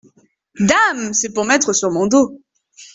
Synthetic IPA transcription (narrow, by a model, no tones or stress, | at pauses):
d̪amsɛpuʁmɛt̪χəsyʁmɔ̃d̪o